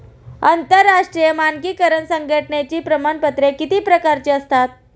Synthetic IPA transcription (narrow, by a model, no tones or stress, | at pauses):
ənt̪əɾːaʂʈɾijəmankiːkəɾəɳsəŋɡʱəʈɳet͡ɕiːpɾəmaɳpət̪ɾekit̪iːpɾəkaɾt͡ɕiəst̪at̪̚